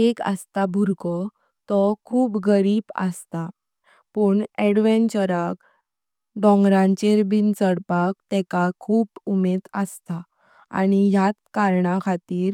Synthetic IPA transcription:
ekə̰st̪abʱuɾkɔ | t̪ɔkʰuːpɡəɾiːbə̰st̪a | pəɳɛɽʋɛnt͡ɕəɾak | d̪ɔ̃ŋɡɾãɲt͡ɕeɾbint͡səɽpak̚t̪ɛkakʰuːbumed̪əst̪a | a̰ñijat̪kaɾɳakʰat̪iːɾ

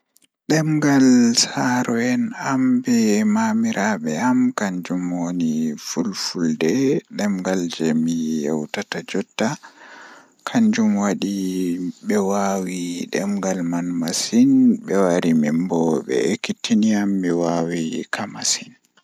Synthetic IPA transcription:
ɗɛmɡalsaɾɔɛnambɛmamiɾʔaɓɛamkaɲd͡ʒumwonifulfuldɛɗɛmɡald͡ʒɛmijɛ̰wtatad͡ʒɔtːa | kʰaɲd͡ʒumwaɗiɓɛwawiɗɛmɡalmanmasinɓɛwaɾimimbɔɓɛ̰ekːitʰːiniamːiwawikʰamasin

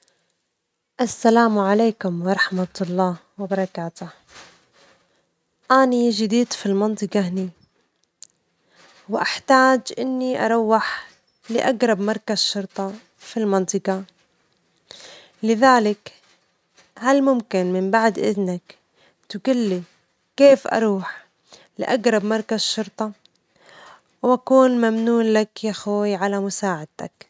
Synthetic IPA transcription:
ʔasːalaːmʕaleːkʊmwɑɾˤɑħmat̪lˤːɑːwɪbɑɾˤɑkaːt̪ʊh | ʔaːnid͡ʒɪd̪iːd̪filmɑnt̪ˤɨqɑɦni | wɪʔaħt̪aːd͡ʒʔɪnːiʔɑ̰ɾˤɑwːɪħ | lɪʔaɡɾˤɑbmɑɾˤkazʃʊɾˤt̪ˤɑ | filmɑnt̪ˤɨqɑ | lɪðaːlɪk | halmʊmkɪnmɪmbaʕd̪ʔɪ̰ðnak | t̪ɪɡʊlːi | keːfʔɑ̰ɾˤuːħ | lɪ̰ʔaɡɾˤɑbmɑɾˤkazʃːʊɾt̪ˤɑ | wʔakuːnmamnuːnlakjaxoːjʕalamʊsaːʕɪd̪̚t̪ak

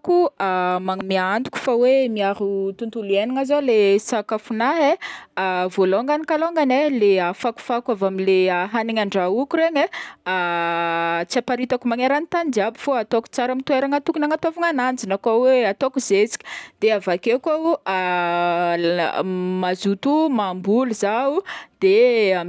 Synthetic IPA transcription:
kuamamiand̪u̥kʲu̥fawemiaɾut̪unt̪ulueniŋazolesakafunaɦeavoloŋɡanikaloŋɡaneleafaku̥fakavamileaɦaniŋaɳɖ͡ʐaukuɾeɲəa | t͡siapaɾit̪akumaŋeɾanit̪and͡ʒiabifoat̪oku̥t͡saɾamit̪ueɾaŋat̪ukunaŋat̪ovaŋanand͡zinakaweat̪okuzet͡si̥kʲi̥d̪̥eavakekau | mazut̪umambuluzaud̪̥ea

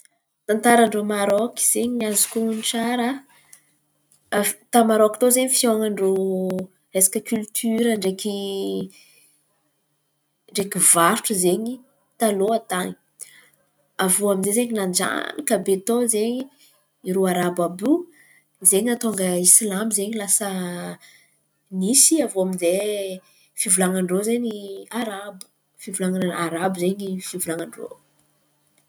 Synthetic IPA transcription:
t̪ant̪aɾaɳɖ͡ʐomaɾɔki̥z̥eɲiɲazu̥kounʈ͡ʂaɾa | t̪amaɾɔki̥t̪ozeɲifjoŋaɳɖ͡ʐo | ɾesḁkʲəkylt̪ʰyɾəɳɖ͡ʐeki | ɳɖ͡ʐekivaɾʈ͡ʂuzeɲi | t̪aloat̪ani̥ | avoaminzezeɲinand͡ʒa̰nikabet̪ozeɲi | iɾuaɾababu | zeɲat̪oŋɡəisilamizeɲilasə | nisiavoaminze | fivulaŋaɳɖ͡ʐozeɲiaɾab̥ | fivulaŋaaɾabizeɲifivulaŋaɳɖ͡ʐo̰

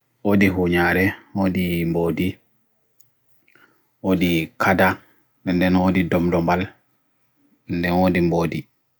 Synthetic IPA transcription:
ʔodiɦuɲaɾɛwodimboːdi | ʔodikʰada | ɛndɛnodidɔmdɔmbal | ɛndɛnwodimboːdi

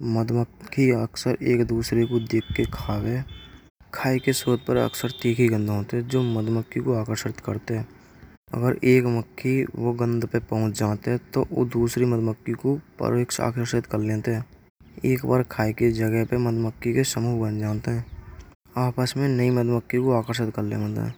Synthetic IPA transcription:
məd̪məkʰːiəksəɾeːkd̪uːsɾekod̪eːkʰːekʰaːwe | kʰaːikesuːɾət̪̚pəɾə̰ksəɾt̪iːkʰiɡə̃nd̪ʱɦoːt̪eɦɛ̃d͡ʒoːməd̪məkʰːikoaːkəɾʃɪt̪kəɾt̪eɦɛ̃ː | ə̰ɡəɾeːkməkʰːiʋoɡə̃nd̪pepəɦʊ̃t͡ʃd͡ʒaːt̪eɦɛ̃t̪oʔod̪uːsɾiməd̪məkːikopə̰ɾʋekʃa̰ːkəɾʃɪt̪kəɾlẽːt̪eɦɛ̃ː | eːkbaːɾkʰaːiked͡ʒəɡəɦpeməd̪məkːikesəmuːbənd͡ʒaːt̪eɦɛ̃ː | aːpaːsmẽnəiməd̪ʱməkʰːikoaːkəɾʃɪt̪kəɾlḛ̃ːət̪ɦɛ̰̃ː

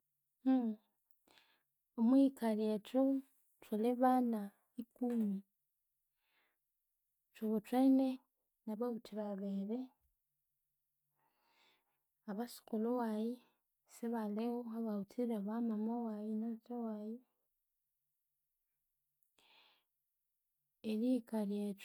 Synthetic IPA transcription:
omwikaɾieto | twaleβana | ikumi | teβotwene | naβahutiɾaβeɾe | aβasi̥kolowaji | seβalewoaβautiɾaβamamowajinaatawaji | eɾikaɾiet

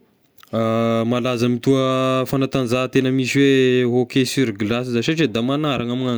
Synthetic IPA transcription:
amalazamit̪uəfanat̪anzat̪enəmiʃiweɦokesyɾɡlas̬izaʃaʈ͡ʂed̪amanaɾaŋamiŋa

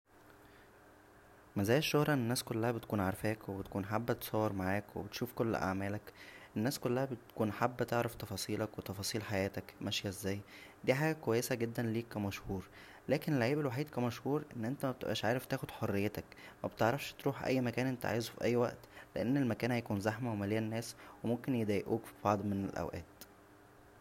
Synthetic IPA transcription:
mæzæːjeʃːohɾˤɑʔenːenːæːskolːæhæbet̪̚kuːnʕaɾˤfæːkwebet̪kuːnħabːt̪sˤɑwːeɾmaʕaːkwḛbet̪ʃuːfkol̰ːʔa̰ʕmæːlækʔenːæːskolːæhæbet̪kuːnħabːt̪eʕɾeft̪ɑfɑːsˤiːlɑkwet̪ɑfɑːsˤiːlħajæːt̪ækmæʃjæezːæːjd̪iːħaːɡækowæjːesæɡed̪ːænliːkæmæʃhuːɾ | læːkeneleʕiːbelwaħiːd̪kæmæʃhuːɾʔenːʔent̪æmæbt̪ḛʔæːʃʕaːɾeft̪æːxod̪̥ħorːejːet̪ækmæbet̪eʕɾˤɑfʃt̪ɾuːħʔæ̰jːmækæːnʔent̪æ̰ʕeːzufḭʔæjːwæʔt̪leʔænːelmækæːnhæjkuːnzæħmæwemælejænːæːswemomkenjed̪æːjʔṵːkfi̥b̥ɑʕd̪ˤmenelʔæ̰wʔæ̰ːt̪

